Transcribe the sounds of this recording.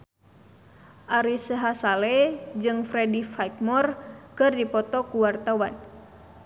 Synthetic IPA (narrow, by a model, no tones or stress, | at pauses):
ʔaɾisəɦasalɛd͡ʒɨŋfɾɛdifajk̪̚mɔrkɨrdipɔt̪ɔkuwart̪awan